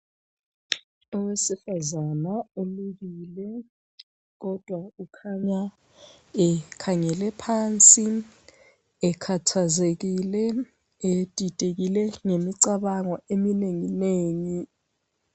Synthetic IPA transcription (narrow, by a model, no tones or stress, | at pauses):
ɔwesifazanauluɣiːlɛ | k̬ɔd̥ʱwaukʰaɲa | ɛkʰaŋɛlɛpʰaːnt͡sʼi | ɛkʰatʰazek̬ilɛ | etʼitʼek̬ilɛŋemiǀaɓaŋɔemineŋineːŋi